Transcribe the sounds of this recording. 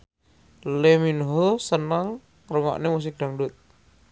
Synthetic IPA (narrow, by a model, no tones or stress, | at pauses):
leminɦɔlsənəŋ | rəŋa̰ʔnemus̬ik̚d̥aŋdʊt̪̚